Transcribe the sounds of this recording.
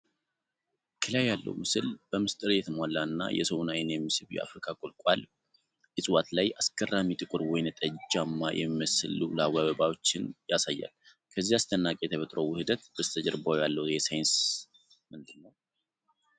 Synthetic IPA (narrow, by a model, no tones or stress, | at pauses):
kʰɨlajːalːə̰wmɨsɨlb̥əmɨst̪ʼɨɾjɛt̪ʰɨmwalːaɨnːa̰jɛ̰sowɨnajɪnjɛmːɨsɨlujɛ̰a̰fɾikʰakʼʊlkʼal | ʔɨsʼɨwat̪lajaskʼərːamit̪ʼɨkʼɨɾwɔjnt̪ʼəd͡ʒd͡ʒamːajʔɛmːiməsɨlulawaβəbawot͡ʃːɪnjasajːa̰l | kʰəzːiast̪ʰənːakʼejɛt̪ʰəβət̪ʼɾəwʊhɨd̪ət̪bəst̪ʰəd͡ʒəɾbajalːəwjɛsajɪns | mɨnd̪ɨnːəw